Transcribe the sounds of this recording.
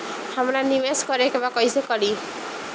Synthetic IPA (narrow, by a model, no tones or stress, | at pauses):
hamɾanimeskʌɾekebakʌjsekʌɾi